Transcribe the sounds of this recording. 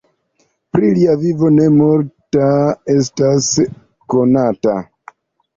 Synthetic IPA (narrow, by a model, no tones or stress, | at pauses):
pɾiliavivo̞nemoɾtae̞stas | konata̰